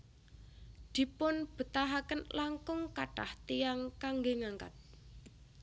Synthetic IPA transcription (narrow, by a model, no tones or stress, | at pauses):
d̪̥i̤pʊnb̥ə̤t̪aɦakənlaŋkʊŋkaʈaht̪iaŋkaŋɡeŋaŋka̰t̪̚